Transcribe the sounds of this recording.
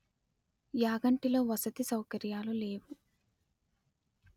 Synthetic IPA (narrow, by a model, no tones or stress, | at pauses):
jaːɡɐɳʈilo̞ːʋɐsɐt̪isɐwkɐɾjaːlule̞ːwu